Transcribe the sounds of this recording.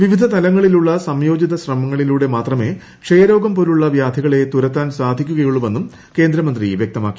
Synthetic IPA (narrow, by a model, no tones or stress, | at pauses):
ʋiʋid̪ʱɐt̪ɐlɐŋːɐɭiluɭːɐsɐmjo̞ːd͡ʑiðɐɕrɐmɐŋːɐɭiluːɽe̞maːt̪rɐme̞ | kʂejɐɾo̞ːɡɐmpoɾuɭːɐʋjaːd̪ʱɐɣɐɭe̞t̪uɾɐt̪ːaːnsaːd̪ʱikʲːuɣɐjuɭume̞nːum | ke̞ːnd̪ɾɐmɐnd̪riʋjek̚t̪ɐmaːkːi̥